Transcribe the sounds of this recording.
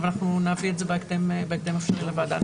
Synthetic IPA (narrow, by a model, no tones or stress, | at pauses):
vanaχnunavietzebekd̪embek̚d̪emefʃeʁlebad̪a̰